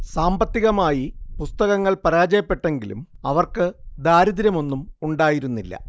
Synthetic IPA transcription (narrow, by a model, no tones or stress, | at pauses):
saːmbɐt̪ːiɣɐmaːjipust̪ɐɣɐŋːɐɭpɐɾaːd͡ʑɐjɐpːe̞ʈːe̞ŋɡilṵmɐʋɐrkɨd̪aːɾɐðiɾɐmo̞nːumuɳɖaːjiɾunːilːɐ̰